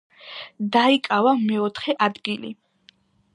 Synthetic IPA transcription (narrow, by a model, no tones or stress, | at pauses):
d̪aikʼavamɛɔt̪ʰχɛʔad̪ɡilḭ